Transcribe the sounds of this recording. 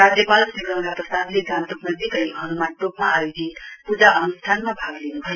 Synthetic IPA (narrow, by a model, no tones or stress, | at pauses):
ɾad͡zjʌpalsiɡɾʌ̃ŋɾaprʌst̪ad̪leɡãmt̪upnʌd̪ikʌjɦʌnumanʈopmaajodʱit̪pud͡zaʔʌnust̪ʰanmabʱaɡlenubʱʌjo